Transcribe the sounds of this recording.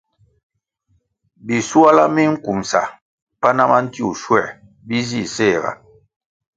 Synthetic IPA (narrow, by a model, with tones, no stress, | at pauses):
bi˨su˦a˦la˦mi˦ŋ̩˦ku˨msa˨ | pa˦na˦ma˦n̩˦ti˦ṵ˨ʃwɛ˦˨ | bi˦zi˦˨sɛ˦˨ɡa̰˨